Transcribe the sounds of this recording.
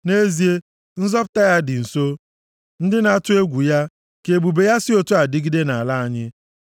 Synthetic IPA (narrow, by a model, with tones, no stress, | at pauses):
ne˦zi˨˦e˦ | n̩˦zɔ˦pʊ˨ta˦ja˦dɪ˨n̩˨so˦ | n̩˦dɪ˦na˦tʊ˦e˦ɡʷu˨ja˦ | ke˨ɡ͡bu˨be˨ja˦sɪ˦o˦tu˦a˨dɪ˦ɡi˦de˦na˨la˦a˨ɲɪ˦